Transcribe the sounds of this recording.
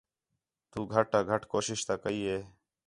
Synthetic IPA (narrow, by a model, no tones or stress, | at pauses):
t̪uːɡʱəʈaːɡʱəʈkoːʃɪʃt̪aːkəiːɦeː